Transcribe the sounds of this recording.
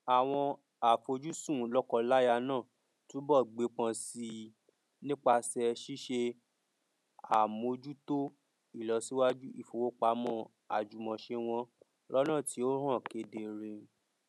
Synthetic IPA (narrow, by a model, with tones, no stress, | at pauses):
a˨w̃ɔ̃˧ | a˨fo˧d͡ʒu˦sũ˦˨lɔ˦kɔ˧la˦ja˧nãː˦˨ | tũ˨˦bɔ˦˨ɡ͡be˨˦k͡pã˧si˧ | nĩ˦k͡pa˧sɛ˧ʃi˦ʃe˧ | a˨mo˧d͡ʒu˦to˦ | i˦˨lɔ˨˦si˦wa˦d͡ʒu˦ḭ˦˨fo˨wo˦k͡pa˨˦mɔ̃˧˦ | a̰˨d͡ʒu˨mɔ̃˨ʃe˧w̃ɔ̃˧ | lɔ˦nã˦˨ti˨˦o˦ɦã˦˨ke˧de˨ɾe˧